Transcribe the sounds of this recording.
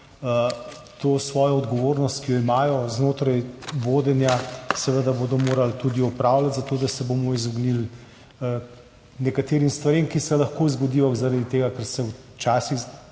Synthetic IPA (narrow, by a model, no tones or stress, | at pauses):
t̪oːsʋɔːjɔɔd̪ɡɔʋoːɾnɔst̪̚kijɔimaːjɔznoːt̪ɾajʋoːd̪ɛnjasɛʋəd̪abod̪ɔmoːɾalt̪ud̪iɔpɾaːwlat̪zat̪oːd̪asɛbomɔizɔɡnil | nɛkat̪eːɾimst̪ʋaɾemkisɛlɐxkoːwzɡɔd̪iːɔɣzaɾad̪it̪eːɡakɛɾsɛw | t͡ʃaːsiɣ